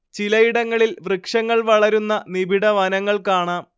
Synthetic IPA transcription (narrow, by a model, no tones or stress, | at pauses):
t͡ɕilɐjiɽɐŋːɐɭilʋrɨkʂɐŋːɐɭʋɐɭɐɾunːɐnibʱiɽɐʋɐnɐŋːɐɭkaːɳaːm